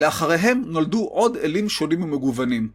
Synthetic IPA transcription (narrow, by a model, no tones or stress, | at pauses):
leaχaʁeɦe̞mnolduʔo̞delimʃo̞nimumeɡuvanim